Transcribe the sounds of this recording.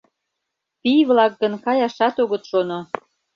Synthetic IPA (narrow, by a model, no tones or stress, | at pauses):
pijβlɑk̚ɡə̆nkɑjɑʃɑt̪oɣə̆t̪ʃono